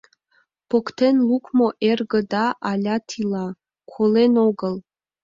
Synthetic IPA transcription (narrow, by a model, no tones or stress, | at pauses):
pʰokt̪ʰenlˠukʰmoʔerɡə̆d̪ɑʔɑlʲɑt̪ʰilˠɑ | kʰolenoɡəlˠ